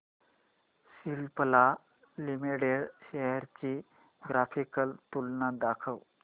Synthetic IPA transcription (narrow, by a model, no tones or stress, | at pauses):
silpəla | limiɽeɽɕɛɦəɾt͡ɕi | ɡɾafikəlt̪ulnad̪akʰəw